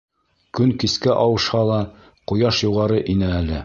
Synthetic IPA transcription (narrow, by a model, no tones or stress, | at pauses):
kɵŋkiskæʔɑwɤ̆ʃhɑlˠɑ | qŏjɑʃjuʁɑɾɤʔinæælɘ